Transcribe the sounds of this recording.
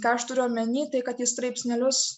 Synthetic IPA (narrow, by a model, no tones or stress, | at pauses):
kɑːɐʃt̪ʊɾʲʊɐmʲɛnʲiːt̪ɐɪkɐt̪jɪst̪ɾɐɪpʲsʲnʲɛlʲʊs